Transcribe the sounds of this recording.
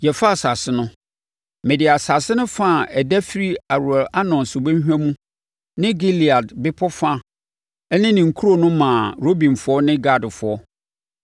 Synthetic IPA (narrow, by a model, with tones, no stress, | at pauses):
jɛ˨fa˦˨sa˨sɪ˦nʊ̃˦ | mɪ̃˨dɪ˨a˨sa˨sɪ˦nʊ̃˦fã˦˨ɛ˨dæ˦fi˦ɾi˦a˨ɾu˨ɛ˨la˦nɔ̃˨nsʊ˨be˦ɦᶣæ̃˦mũ˦ | nɪ̃˦ɡi˦li˨a˨dbɪ˦pʰɔ˦fa˦ | ɛ˦nɪ̃˦nɪ̃˨ŋ̩˨kʰu˦ɾo˨nʊ̃˦mã˨ɾo˦bĩ˨nfʊ˨˦ɔ˦nɪ̃˦ɡa˦dfʊ˨ɔ˦